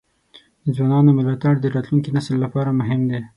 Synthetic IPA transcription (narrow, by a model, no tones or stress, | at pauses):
d̪̥əzwɑnɑnomɪlɑt̪aɽd̪əɾɑt̪luŋkinaslːapɑɾamʊɦɪmd̪e